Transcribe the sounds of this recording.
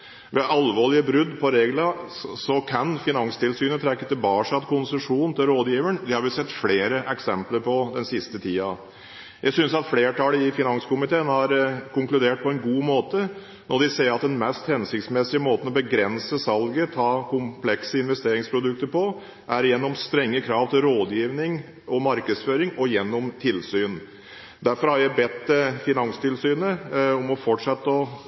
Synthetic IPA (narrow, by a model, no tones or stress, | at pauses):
ʋɛʔɑlʋoːɭɪəbɾʉd̪pʰɔɾeːɡlə | sɔkʰɑnfɪnɑŋst̪ʰɪlsyːnət̪ʰɾɛkːət̪ɪlbɑːʂɑt̪kʰʊnsəʂuːnn̩t̪ʰɪlɾoːd̪jiːʋəɳd̪ɪhɑɾʋɪsɛt̪ːfleːɾəʔɛksɛmpləɾpʰɔd̪ɛnsɪst̪ət̪ʰiːɑ | jʔæsʏnsɑt̪fleːʈɑləɪfɪnɑŋskʊmɪt̪ʰeːənhɑɾkʊŋklʉd̪eːʈ̚pʰɔɛnɡuːmoːt̪ə | nɔɖ̪ɪseːɾɑt̪d̪ɛnmɛst̪hɛnsɪkt̪smɛsɪəmoːt̪ən̩ɔbəɡɾɛnsəsɑlɡət̪ʰɑːkʊmpʰlɛksəɪnʋɛst̪eːɾɪŋspʰɾʊd̪ʉk̚t̪əɾpɔ | ʔæɾjɛnːɔmst̪ɾɛŋːəkʰɾɑːʋt̪ʰɪlɾoːd̪jiːʋnɪŋ | ɔmɑɾkəsføːɾɪŋɔjɛnːɔmt̪ʰɪlsyːn | d̪æɾfɔɾhɑɾjæɪbɛt̪ːfɪnɑŋst̪ʰɪlsyːnəɔmɔfɔʈʂɛt̪ːəɔ